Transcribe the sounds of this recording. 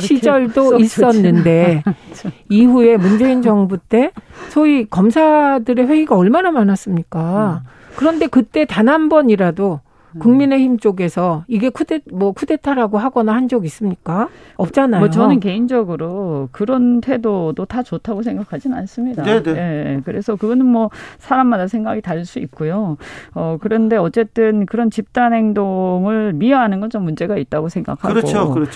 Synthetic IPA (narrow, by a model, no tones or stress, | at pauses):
ɕʰid͡ʑʌɭdois͈ʌnːɯnde̞ | iɸue̞mund͡ʑe̞ind͡ʑʌŋbut͈e̞sʰʌikʌmsʰadɯɾe̞ɸwe̞iɡaʌɭmanamanas͈ɯmɲik͈a | kɯɾʌnde̞kɯt͈e̞tanɦanbʌɲiɾado | kuŋmine̞çimt͡ɕ͈oɡe̞sʰʌiɡe̞kʰudemʌkʰude̞tʰaɾaɡoɦaɡʌnahand͡ʑʌɡis͈ɯmɲik͈aʌp̚t͡ɕ͈anaʌjot͡ɕʌnɯnke̞ind͡ʑʌɡɯɾokɯɾʌntʰwe̞dodotat͡ɕotʰaɡosʰe̞ŋɡakʰad͡ʑinnans͈ɯmɲidaekɯɾe̞sʰʌkɯɡʌnɯnmwʌsʰaɾamːadasʰe̞ŋɡaɡitaɭs͈uik̚k͈ojoʌkɯɾʌnde̞ʌt͡ɕ͈e̞t͈ɯnkɯɾʌnt͡ɕip̚t͈anɦe̞ŋdoŋɯɭmiʌɦanɯnɡʌnt͡ɕomːund͡ʑe̞ɡait̚t͈aɡosʰeŋɡa̰kʰa̰ɡo